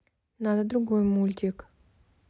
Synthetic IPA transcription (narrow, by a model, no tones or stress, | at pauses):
nad̪ad̪ɾuɡojmulʲt̪ʲek